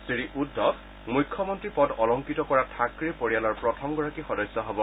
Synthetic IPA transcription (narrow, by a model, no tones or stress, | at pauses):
sɹiɹiʔudːɔb | mujkʰːɔmɔntɹipɔdɔlɔŋkitɔkɔɹatʰakɹipoɹijalɔɹpɹɔtʰɔmɡɔɹakixɔdɔjsːɔɦɔbɔ